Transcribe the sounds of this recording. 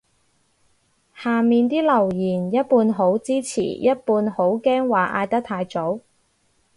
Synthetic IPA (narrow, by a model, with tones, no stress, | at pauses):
haː˨˩miː˨nt̪iː˥lɐ˨˩wjiː˨˩njɐ˥t̚puː˧nɦo˨˥wt͡siː˥t͡sʰḭː˨˩jɐ˥t̚puː˧nho˨˥wkɛː˥ŋwaː˨˩ʔa̰ː˧jt̪ɐ˥k̚t̪ʰaː˧jt͡so˨˥w